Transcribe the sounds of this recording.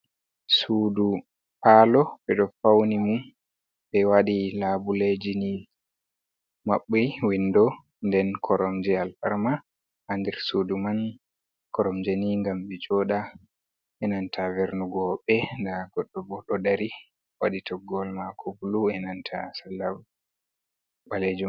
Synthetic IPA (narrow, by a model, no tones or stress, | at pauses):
suːdu | palɔɓɛɗɔfawnimum | ɓɛwaɗilabuled͡ʒini | maɓːiwindɔ | ndɛnkʰɔɾɔmd͡ʒɛalfaɾma | handɛɾsuduman | kɔɾɔmd͡ʒɛniŋɡambɛd͡ʒɔɗa | ʔɛnantʰavɛɾnuɡɔɓɛndaɡɔɗːɔbɔɗɔdaɾi | waɗitɔɡɔlmakʰɔbuluɛnantʰa̰salːab | baled͡ʒum